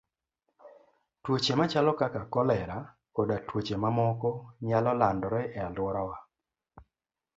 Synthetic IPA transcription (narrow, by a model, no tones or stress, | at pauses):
twot͡ʃemat͡ʃalɔkakakɔlɛɾa | odatwot͡ʃemamɔkɔɲalɔlandɔɾɛʔɛalwɔɾawa